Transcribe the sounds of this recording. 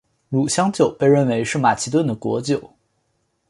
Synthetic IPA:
lu˨˩ɕjɑ˥ŋt͡ɕjo˨˩ʊpe˥˧ɪɻə˥˩nwe˧˥ɪʂɻ̩˥˩ma˨˩t͡ɕʰi˧˥t̪̬wə˥˩nd̪ə˩kwɔ˧˥t͡ɕjo˨˩˦ʊ

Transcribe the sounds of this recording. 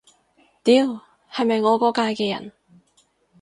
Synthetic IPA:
t̪iː˨˥w | hɐ˨jmɐ˨jŋɔː˨˧kɔː˨˥kaː˧jkɛː˧jɐ̰˨˩n

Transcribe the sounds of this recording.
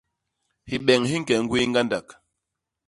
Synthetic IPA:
hi˨ɓɛ˨ŋhi˦ŋ̩˦kɛ˨ŋ̩˦ɡwi˦ŋ˦ɡa˦nda˨k

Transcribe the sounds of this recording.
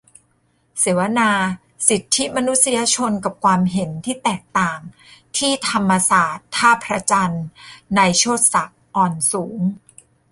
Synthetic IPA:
se˩˦wa˧naː˧ | si˨˩t̪ʰːi˦˥ma˧nu˦˥t̪̚si˧ja˧t͡ɕʰo˧nka˨˩p̚kʰwaː˧mɦe˩˦nt̪ʰiː˥˩t̪ɛː˨˩k̚t̪aː˨˩ŋ | t̪ʰiː˥˩t̪ʰa˧mːa˧saː˨˩t̪ʰːaː˥˩pʰɾa˧t͡ɕa˧nːa˧jt͡ɕʰoː˥˩t̪̚sa˨˩k̚ʔɔː˨˩nsuː˩˦ŋ

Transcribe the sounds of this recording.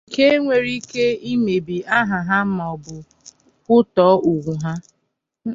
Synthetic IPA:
ke˦ŋʷe˨ɾi˦ke˦i˦me˨bi˨a˦ɦa˨ɦa˦m̩˦mɔ˨bʊ˨ | kʊ˦tɔː˨˦u˨ɡʷu˨ɦa˦

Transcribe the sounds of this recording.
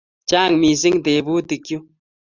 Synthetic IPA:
t͡ʃa˦˨ŋmi˨zi˦ŋd̪e˨bu˦d̪i˨kju˦

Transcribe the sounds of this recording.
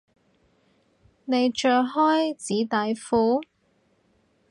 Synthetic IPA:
ne˨˧jt͡ʃœː˨˧hɔː˥jt͡siː˨˥t̪aː˨˧jfuː˨˥

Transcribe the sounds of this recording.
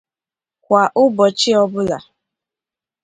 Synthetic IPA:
kʷa˨ʔʊ˦bɔ˨t͡ʃɪ˦ɔ˦bʊ˦la̰˨

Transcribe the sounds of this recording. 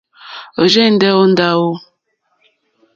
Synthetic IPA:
o˨d͡ʒe˦n̩˦dɛ˦o˦n̩˦da˦wo˦

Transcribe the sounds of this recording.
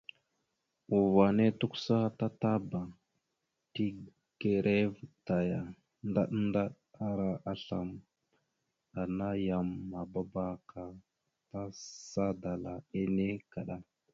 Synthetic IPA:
u˨va˨ne˦tu˦ksa˦ta˦ta˦ba˨ | ti˦ | ɡ̥e˨ɾʔe˦vta˨ja˨ | nda̰˦ɗnda˦ɗ | a˦ɾa˨ʔa˦ɬa̰˨m | a˨na˦ja˨mːa˨ba˦ba˦ka˨ | ta˦sa˦da˨la˨e˦ne˦ka˨ɗa˦

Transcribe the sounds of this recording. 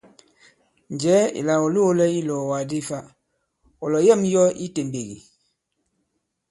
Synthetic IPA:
n˨d͡ʒɛ˨˦ḭ˨la˨o˨lu˦lɛ˦i˦lɔ˨wa˨di˦˨fa˦ | ɔ˨lɔ˨jɛ˦˨m˦jɔ˦i˦te˨m˨be˨ɡḭ˨

